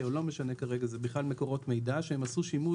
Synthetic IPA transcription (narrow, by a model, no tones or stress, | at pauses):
olo̞meʃanekaʁeɡazebiχlalmeko̞ʁo̞t̪mejd̪aʃehemasuʃimu